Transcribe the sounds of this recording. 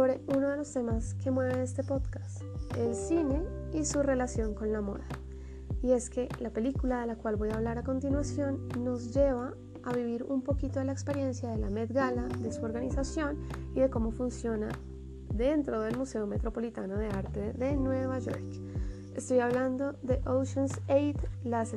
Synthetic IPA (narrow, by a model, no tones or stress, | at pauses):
soβɾe̞uno̞ð̞e̞lo̞st̪e̞maske̞mwe̞βe̞est̪e̞po̞ðkḁst̪e̞lsine̞isure̞lasjo̞ŋko̞nlamo̞̰ða | ie̞ske̞lape̞likulaðe̞lakwalbo̞jaβlaɾako̞nt̪inwasjo̞nːo̞zd͡ʒe̞βaː | βiβiɾumpo̞kit̪o̞ðelaekspe̞ɾje̞nsjaðe̞lame̞ðɡalaðe̞suo̞ɾɣanisasjo̞niðe̞ko̞mo̞funsjo̞na | ðe̞nt̪ɾo̞ðe̞lmuse̞ome̞t̪ɾo̞po̞lit̪ano̞ðe̞aɾt̪e̞ðe̞nwe̞βaʝo̞̰ɾk | e̞st̪o̞jaβland̪o̞ðe̞ʔowʃonsejt̪las